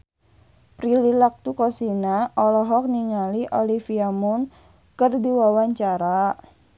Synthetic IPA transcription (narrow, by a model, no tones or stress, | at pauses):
pɾililak̚t̪ukɔsinaʔɔlɔɦɔk̚niŋaliʔolifiamun | kərdiwawaɲt͡ʃaɾa